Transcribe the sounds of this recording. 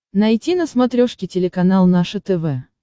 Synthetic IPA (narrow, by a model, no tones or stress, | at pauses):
nɐjtʲinəsmɐt̪ɾʲoʂkʲɪtʲɪlʲɪkɐnalˠnaʂɨt̪ɛvɛ